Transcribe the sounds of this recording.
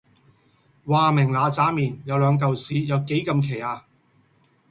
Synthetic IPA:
waː˨mɪ˨˩ŋlaː˨˧t͡saː˨˥miː˨˩njɐ˨˧wlœː˨˧ŋk̬ɐ˨wsiː˨˥jɐ˨˧wke˨˥jkɐ˧mkʰe˨˩jaː˧

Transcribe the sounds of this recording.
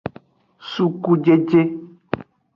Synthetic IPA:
su˦ku˦d͡ʒe˦d͡ʒe˦

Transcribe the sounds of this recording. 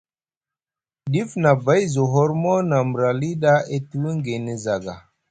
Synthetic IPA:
di˦fna˨ba˦jzo˨ɦo˦ɾmɔ˦na˨m˨ɾa˨li˦ɗa˦e˦tu˦wi˦ŋɡe˨ne˨za˨ɡa˨

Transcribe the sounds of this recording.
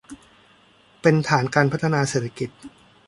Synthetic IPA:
pe˧nt̪ʰaː˩˦nkaː˧npʰa˦˥t̪ʰːa˧naː˧seː˨˩t̪ʰa˧ki˨˩t̪̚

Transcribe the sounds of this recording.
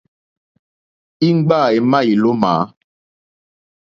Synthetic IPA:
i˦ŋ͡m̩˦ɡ͡ba˦˨e˨mã˦i˨lo˦ma̰ː˨˦

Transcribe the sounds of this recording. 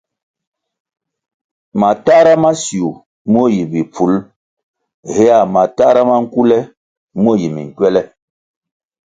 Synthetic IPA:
ma˨ta˦ɾa˦ma˦si˨u˨ | mo˦˨ji˨bi˨pʰu˨˦l | hɛ˦ja˦˨ma˨ta˦ɾa˦ma˦ŋ̩˦ku˦lɛ˦ | m˦o˦˨ji˨mḭ˨ŋ˨kwɛ˦lɛ˦

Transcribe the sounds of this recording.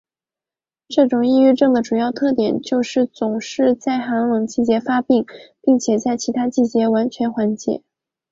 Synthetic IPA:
ʈ͡ʂɤ˥˩ʈ͡ʂʊ˨˩ŋi˥˧y˥˧ʈ͡ʂɤ˥˩ŋd̪ə˩ʈ͡ʂu˨˩jɑ˥˧ʊt̪ʰɤ˥˩t̪̬jɛ˨˩nt͡ɕjo˥˧ʊʂɻ̩˥˩t͡sʊ˨˩ŋʂɻ̩˥˧t͡sa˥˩ɪxa˧˥ŋlɤ˨˩ŋt͡ɕi˥˩t͡ɕjɛ˧˥fa˥pi˥˩ŋpi˥˩ŋt͡ɕʰjɛ˨˩t͡sa˥˩ɪt͡ɕʰi˧˥t̪ʰa˥t͡ɕi˥˩t͡ɕjɛ˧˥wa˧˥nt͡ɕʰɥɛ˧˥nxwa˧˥nt͡ɕjɛ̰˧˥˦

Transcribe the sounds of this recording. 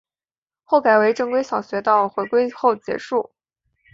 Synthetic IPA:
xo˥˩ʊka˨˩ɪwe˧˥ɪʈ͡ʂɤ˥˧ŋkwe˥ɪɕɑ˨˩ʊɕɥɛ˧˥t̪ɑ˥˩ʊxwe˧˥ɪkwe˥ɪxo˥˩ʊt͡ɕjɛ̰˧˥ʂu˥˩

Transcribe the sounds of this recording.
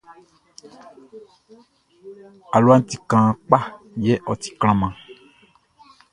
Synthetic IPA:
a˨lu˦a˦n̩˦t̪i˨kã˨k͡pa˦˨ | je˦ʔɔ˨t̪i̥˨kl̃ã˨mã˨

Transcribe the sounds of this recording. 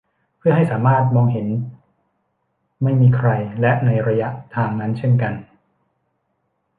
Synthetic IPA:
pʰɯ˥˩əɦa˥˩jsaː˩˦maː˥˩t̪̚mɔː˧ŋɦe˩˦n | ma˥˩jmiː˧kʰɾa˧jlɛ˦˥ʔna˧jɾa˧ja˦˥ʔt̪ʰaː˧ŋna˦˥nt͡ɕʰe˥˩nka˧n

